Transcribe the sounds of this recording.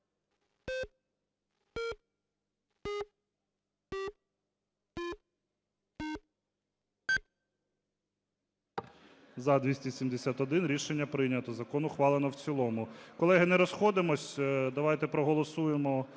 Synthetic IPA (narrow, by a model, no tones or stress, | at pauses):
zɐd̪ʲʋʲisʲtʲisʲimd̪esʲat̪ɔd̪ɪnɾʲiʃenʲːɐpɾɪjnʲɐt̪ɔzɐkɔnʊxʋɑlˠenɔwt͡sʲilˠɔmʊkɔlˠɛɦɪnɛɾɔsxɔd̪emɔsʲd̪ɐʋajt̪ɛpɾɔɦɔlˠɔsujemɔ